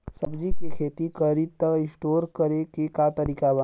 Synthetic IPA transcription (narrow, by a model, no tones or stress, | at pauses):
sɐbd͡ʒikekʰeːt̪ikəɾit̪ːəɪ̃sʈoːɾkɐɾekekat̪ɐɾiːkaʋa